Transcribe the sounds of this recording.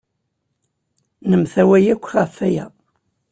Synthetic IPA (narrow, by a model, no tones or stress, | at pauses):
nəmθæwæjækʷːʁæfːæjæ̰